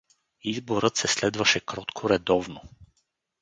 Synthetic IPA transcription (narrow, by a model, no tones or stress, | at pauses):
izboɾɤt̪sɛslɛd̪vɐʃɛkɾɔt̪kʰoɾɛd̪ɔvno